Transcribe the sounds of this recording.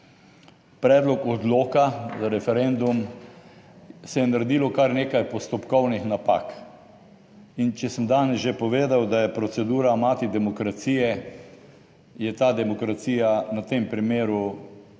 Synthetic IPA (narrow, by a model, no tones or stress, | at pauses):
pɾɛːd̪lɔkɔd̪loːkazaɾɛfɛɾɛnd̪um | sɛjɛnaɾɛd̪iːlɔkaɾneːkajpɔst̪ɔpkɔwnixnapa̰k | int͡ʃɛsəmd̪aːnɛsʒepɔʋeːd̪awd̪ajɛpɾɔt̪sɛd̪uːɾamaːt̪id̪ɛmɔkɾat̪siːjɛ | jɛt̪aːd̪ɛmɔkɾat̪siːjanat̪empɾimeːɾu